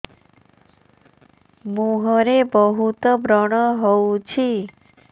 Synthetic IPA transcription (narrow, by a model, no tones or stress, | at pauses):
muɦɔɾebɔɦut̪bɾɔɽ̃əɦɔut͡ʃʰi